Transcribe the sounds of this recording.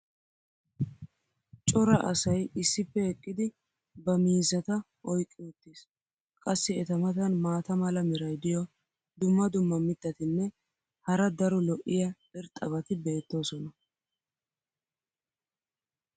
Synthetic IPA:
t͡ʃʼɔɾɐʔɐ̰sɐjɪsːɪpːɛhɛkʼːɪd̪ɪ | bɐmiːzɐt̪ɐ | ʔɔjkʼːɪʊt̪ːis | kʼɐsːɪɛt̪ɐmɐt̪ɐnmaːt̪ɐmɐlɐmɪɾɐjd̪ɪjɔ | d̪ʊmːɐd̪ʊmːɐmɪt̪ːɐt̪ɪnːɛ | hɐɾɐd̪ɐɾɔlɔʔːɪjɐ | ɪɾt̪ʼɐβɐt̪ɪbeːt̪ːo̞ːsɔnɐ

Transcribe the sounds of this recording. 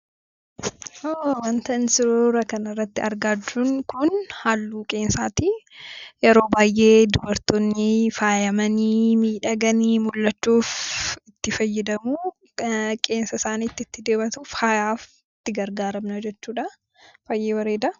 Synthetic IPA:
ʔoːwɐnt̪ɐnsɪɾoɾɐkɐnɐrːɐt̪ːɪɐɾɡaːd͡ʒuŋkʊnhaːlːuːkʼe̞ːnsaːt̪i | jɛɾo̞ːbaːjʔe̞ːd̪ʊbɐɾt̪ɔnːɪfaːjɐmɐnimiːᶑɐɡɐnimʊlːɐt͡ʃːuːfɪt̪ːɪfɐjːɪd̪ɐmuː | kʼe̞ːnsɐsaːniːt̪ːɪɪt̪ːɪd̪e̞ːbɐt̪ufaːjaːf | ɪt̪ːɪɡɐɾɡaːɾɐmnɐd͡ʒɛt͡ʃːuːᶑɐ | faːjʔeːwɐɾeːd̪ɐ

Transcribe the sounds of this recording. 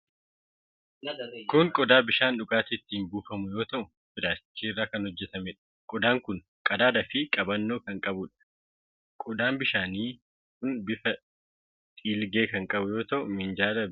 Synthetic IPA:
kʊŋkʼɔd̪aːbɪʃaːnᶑʊkʼaːt̪ɪt̪ːɪːmbuːfɐmʊjo̞ːt̪ɐʔʊ | fɪdaːt͡ʃːiːrːaːkɐnhɔd͡ʒːɛt̪ɐmɛᶑɐ̥kʼɔd̪aːŋkʊn | kʼɐd̪aːd̪ɐfɪkʼɐbɐnːo̞ːkɐŋkʼɐbʊᶑɐ̥ | kʼɔd̪aːmbɪʃaːniː | kʊnbɪfɐ | t̪ʼiːlɡe̞ːkɐŋkʼɐbʊjo̞ːt̪ɐʔʊmɪnd͡ʒaːd̪ɐ

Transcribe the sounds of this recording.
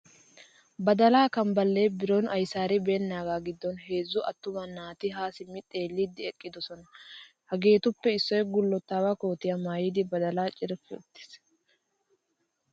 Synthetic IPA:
bɐd̪ɐlaːkɐmbɐlːeːbɪɾonʔɐjsaːɾɪbe̞ːnːaːɡaːɡɪd̪ːɔnɦe̞ːzːʊʔɐt̪ːʊmɐnːaːt̪ɪɦaːsɪmːɪt̪ʼe̞ːlːid̪ːɪɛkʼːɪd̪ɔsɔnɐ | hɐɡe̞ːt̪ʊpːɛɪsːɔjɛɡʊlːɔt̪ːaːwakoːt̪ɪjɐmaːjɪd̪ɪbɐd̪ɐlaːt͡ʃʼɪɾɪfɛʊt̪ːɪ̥s

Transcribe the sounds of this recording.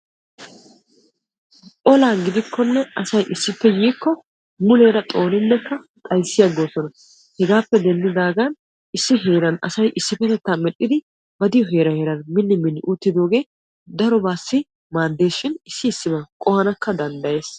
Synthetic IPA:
ʔɔlaːɡɪd̪ɪkʰːɔnːɛɐsɐjʔɪsːɪpːɛjiːkːɔ | mʊle̞ːɾɐt̪ʼo̞ːnɪnːɛkːɐ | t̪ʼɐjsːɪjɐɡːo̞ːsɔnɐ | hɛɡaːpːɛd̪ɛnːɪd̪aːɡɐn | ɪsːɪɦe̞ːɾɐnɐ̰sɐjʔɪsːɪpːɛt̪ɛt̪ːaːmɛɗɪd̪ɪ | bɐd̪ɪjɔɦe̞ːɾɐheːɾɐnmɪnːɪmɪnːɪʔut̪ːɪd̪o̞ːɡe̞ː | d̪ɐɾɔbaːsːɪ | maːd̪ːe̞ːʃɪnɪsːɪɪsːɪbɐkʼɔhɐnɐkːɐd̪ɐnd̪ɐje̞ːs

